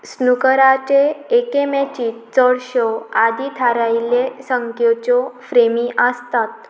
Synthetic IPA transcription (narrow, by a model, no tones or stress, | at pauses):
snukəɾat͡ɕeːkemɛt͡ɕiːt͡səɽɕɔad̪it̪ʰaɾajlesəŋkʰjɔt͡ɕɔfɾemiʔəst̪at̪